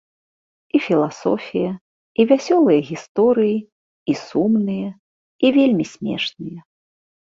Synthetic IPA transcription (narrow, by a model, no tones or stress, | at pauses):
ifʲilˠasɔ̰fʲijɐ | ivʲasʲɔlˠɨjɐɣʲist̪ɔɾɨji | isumnɨjɐ | ivʲelʲmʲisʲmʲɛ̰ʂnɨjɐ